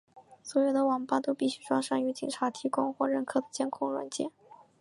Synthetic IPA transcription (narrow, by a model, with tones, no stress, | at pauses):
swɔ˧˥jo˨˩ʊd̪ə˦wɑ˨˩ŋpa˥˧t̪o˥ʊpi˥˩ɕy˥ʈ͡ʂwɑ˥ŋʂa˥˩ŋy˧˥t͡ɕḭ˨˩ŋʈ͡ʂʰa˧˥t̪ʰi˧˥kʊ˥ŋxwɔ˥˩ɻə˥˩nkʰɤ˥˩d̪ə˩t͡ɕjɛ˥nkʰʊ˥˩ŋlwa̰˧˥nt͡ɕjɛ̰˥˩n